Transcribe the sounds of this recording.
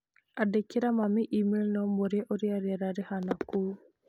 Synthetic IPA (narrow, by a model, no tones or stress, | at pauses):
adekeɾamamiʔimelnɔmoɾjɛʔoɾiaɾɛɾaɾɪhanaku